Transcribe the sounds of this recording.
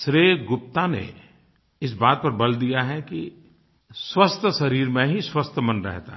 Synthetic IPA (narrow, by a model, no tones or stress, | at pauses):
sɾeːɡʊp̚t̪anḛ | ɪsbaːt̪̚pɐɾbɐld̪ijaɦɛki | swəst̪ʰsɐɾiːɾmẽɦiswəst̪ʰmənɾɛ̰ɦt̪a̰ɦ